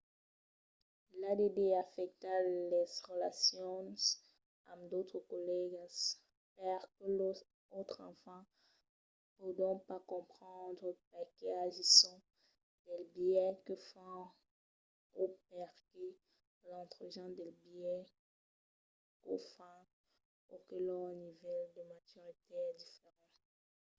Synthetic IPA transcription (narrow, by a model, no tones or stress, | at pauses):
lad̪ed̪eafɛk̚t̪alɛzʁəla̰sjɔ̃ | kɔmd̪ot̪χəkɔlɛɡs | pɛʁkə | ot̪χɑ̰̃fɑ̃ | pod̪ɔ̃pakɔ̃pχɑ̃d̪ʁəp̚akeaʒisɔ̃ | d̪̥ɛlbjɛkəfɔ̃ | op̚ɛʁkə | lɑ̃t̪χəʒɑ̃d̪ɛlbjɛ | kofã | okəlɔnivɛld̪əmat̪yʁit̪eɛd̪ifeʁɑ̃